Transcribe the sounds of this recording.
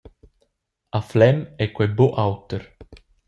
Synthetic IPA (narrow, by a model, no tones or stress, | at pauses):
aflɛmɛkːwɛboʔawt̪eɾ